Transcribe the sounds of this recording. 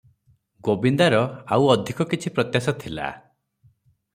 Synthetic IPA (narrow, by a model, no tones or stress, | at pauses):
ɡobind̪aɾɔawɔd̪ʱikɔkit͡ʃʰipɾɔt̪jasɔt̪ʰila̰